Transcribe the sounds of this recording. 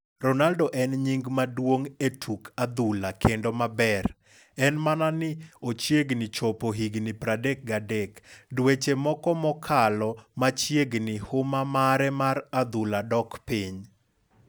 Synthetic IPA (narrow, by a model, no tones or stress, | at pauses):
ɾɔnaldoʔɛnɲiŋɡmadwoŋetʰukʰad̪ulakʰendomabɛr | ɛnmananɪot͡ʃjeɡnɪt͡ʃopoɦiɡnɪpɾadek̚ɡadekdwet͡ʃemɔkɔmɔkʰalɔmat͡ʃjeɡnɪhʊmamaɾɛmaɾad̪uladɔkpɪɲ